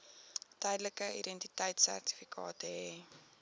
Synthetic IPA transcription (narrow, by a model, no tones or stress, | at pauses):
təjdləkəḭdɛntitəjtsæ̰rti̥fikʰɑ̰ːtəɦeː